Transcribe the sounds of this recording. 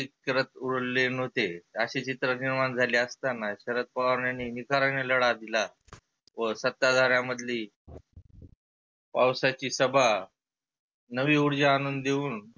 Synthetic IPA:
ikɾət̪uɽlen̤ot̪eəɕet͡ɕit̪ɾəniɾmand͡zʱaliəst̪anaɕəɾət̪̚paʋəɾɳjaniːnikaɾəɳeləɽad̪ila | ʋəsət̪ːad̪ʱaɾjaməd̪ʱliː | pawsat͡ɕiːsəbʱa | nəʋiːuɽd͡ʑaːnund̪d̪euːn

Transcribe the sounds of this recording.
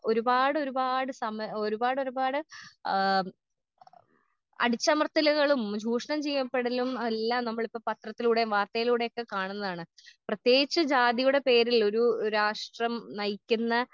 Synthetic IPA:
o̞ɾubaːɽɨo̞ɾubaːɽɨsɐmoɾubaːɽo̞ɾubaːɽɨ | ɐ̰ɽit͡ɕːɐmɐrt̪ːilɐɣɐɭumd͡ʑʱuːʂɐɳɐmt͡ɕejːɐpːeɽɐlumɐlːɐnɐmːɐɭipːoːmpɐt̪rɐt̪ːiluːɽe̞ʋaːrt̪ɐjiluːɽe̞jo̞kːekaːɳunːɐðaːɳɨprɐt̪je̞ːɡit͡ɕːɨd͡ʑaːd̪ijuɽe̞pe̞ːɾilo̞ɾuɾaːʂʈrɐmnɐjikʲːunːɐ

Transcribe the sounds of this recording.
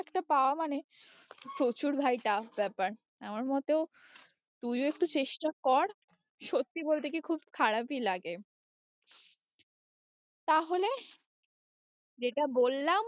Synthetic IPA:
ɛkʈapaoamane | ʃot͡ɕuɾbʱajʈabɛpaɾ | amaɾmɔt̪eo | t̪ujoekʈut͡ɕeʃʈakɔɾ | ʃot̪ːibolt̪ekikʰubkʰaɽapilaɡe | t̪aɦole | d͡ʑeʈabolːam

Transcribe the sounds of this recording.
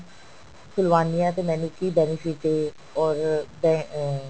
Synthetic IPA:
kʊlʋaːnijãt̪emɛ̃nũkibɛnifiʈe | ɔːɾbɛ

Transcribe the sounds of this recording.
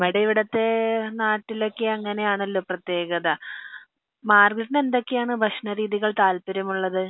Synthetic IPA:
meɽɐiʋiɽɐt̪ːe̞naːʈːilo̞ːkːeɐŋːɐne̞jaːɳɐlːo̞ːprɐt̪je̞ːɣɐðɐ | maːrɡiʈːine̞nd̪o̞kːejaːɳɨbʱɐʂnɐɾiːðiɣɐɭt̪aːlpɐɾɐmuɭːɐðɨ

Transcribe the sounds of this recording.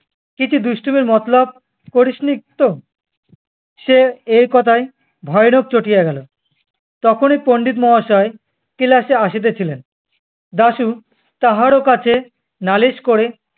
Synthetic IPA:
kit͡ɕʰud̪uʃʈʰumiɾmɔt̪lab̚ | koɾiʃnik̚t̪o | ʃeejkɔt̪ʰaj | bʱɔenok̚t͡ɕoʈijaɡɛlo | t̪ɔkʰonipoɳɖit̪̬mɔɦaʃɔe | kilaʃeaʃit̪̬et͡ɕʰilen | d̪aʃu | t̪aɦaɾokat͡ɕʰe | naliʃkoɾe

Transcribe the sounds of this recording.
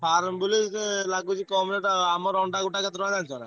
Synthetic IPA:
pʰaɾmbuliselaɡut͡ʃikɔmineʈamɔɾɔɳɖaɡuʈaket̪ɾɔad͡ʒant͡ʃʰɔna̰

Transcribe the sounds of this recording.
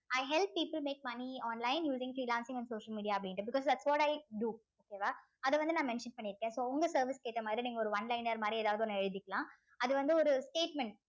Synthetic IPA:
ɐɪɦɛlp̚ːiːpəlmeːk̚mɐniɔːnlaɪnjuːsɪ̃ŋfɾiːlãːnsɪ̃ŋɐ̃nɖsoːʂəlmiːɖijaːɐp̬ːɐɽɪ̃ɳʈːɯbɪkɔːsd̪æʈsʋɔːʈɐɪɖu | oːkeːʋaː | ɐðɐʋɐnd̪ɯnãːmɛnʃɐnpɐɳːɪɾɯkːẽːsoːʊŋɡɐsɐɾʋɪskeːʈ̪ːɐmaːd̪ɾiniːŋɡɐɔɾɯʋɐnlɐɪnɐɾmaːd̪ɾieːðaːʋɐðɯɔnːɛɻɯðɪkːɐlãː | ɐðɯʋɐnd̪ɯɔɾɯsʈeːʈ̚mɛ̃ɳʈ̚

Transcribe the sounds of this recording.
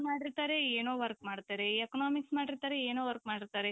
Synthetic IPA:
maːɽiɾt̪aːɾeeːnoːʋɐɾk̚maːɽt̪aːɾeːkɐnaːmiksmaːɽiɾt̪aːɾeeːnoːʋɐɾk̚maːɽiɾt̪aːɾe

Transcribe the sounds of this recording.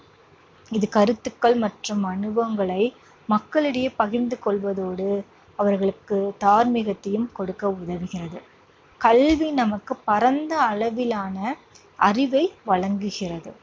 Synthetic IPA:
ɪðɯkɐɾɯt̪ːɯkːɐɭmɐʈrɯmɐɳɯbɐŋɡɐɭɐɪ | mɐkːɐɭɯɽɐjɐpɐɣɪɾnd̪ɯkɔɭʋɐðoːɽɯ | ɐʋɐɾɣɐɭɯkːɯt̪aːɾmɪɣɐt̪ːɐjɯmkɔɽɯkːɐʊðɐʋɯɣɪrɐðɯ | kɐlʋinɐmɐkːɯpːɐɾɐnd̪ɐːɭɐʋɪlaːnɐ | ʔɐrɪʋɐɪʋɐɻɐŋɡɯɣɪrɐðɯ

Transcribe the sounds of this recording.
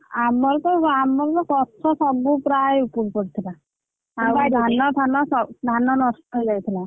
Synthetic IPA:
amːɔɾt̪ɔamːɔɾt̪ɔkɔt̪sʰɔsɔbupɾajupuɾpɔɾt̪ʰila | ad̪ʱanɔt̪ʰanɔsɔd̪ʱanɔnɔsʈɔld͡ʒajt̪ʰila

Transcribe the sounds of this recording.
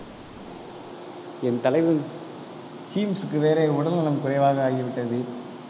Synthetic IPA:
ɛnt̪ɐlɐɪʋɯn | t͡ʃiːmsɯkːɯʋeːɾeːʊɽɐlnɐlɐmkʊɾɐɪʋaːɣɐaːɣiʋɪʈːɐðɯ

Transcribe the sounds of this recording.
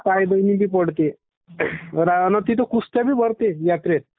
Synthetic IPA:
kajd̪əjnibiːpəɽt̪e | ɾanat̪it̪̬okust̪jabʱiːbʱəɾt̪ejat̪ɾet̪̚

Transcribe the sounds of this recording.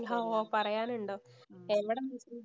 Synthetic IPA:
ɦaopɐrɐjaːnuɳɖoː | eʋiɽemis

